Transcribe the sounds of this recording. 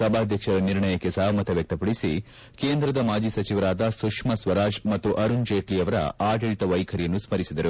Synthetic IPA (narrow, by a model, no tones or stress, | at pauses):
sɐbʱaːd̪ʱjɐkʂɐɾɐniɾɳɐjɐkːesaːmɐt̪ɐʋjɐk̚t̪ɐpɐɽisi | keːnd̪ɾɐd̪ɐmaːd͡ʒisɐt͡ʃiʋɐɾaːd̪ɐsukʂmɐsʋɐɾaːd͡ʒmɐt̪ːuʔɐɾund͡ʒeːʈlijɐʋɐɾɐ̰aːɖelʈ̪ɐʋɐjkʰɐɾijɐnːusmɐɾisid̪ɐɾu